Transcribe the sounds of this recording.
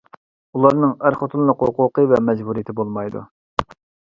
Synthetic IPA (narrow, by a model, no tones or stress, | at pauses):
ulˠɑɾnɨŋæɾχot̪ʰɨlˠlˠʊqɦʊqʊqəvɛmɛd͡ʒbuɾijit̪ʰɪbolˠmɑjd̪ṵ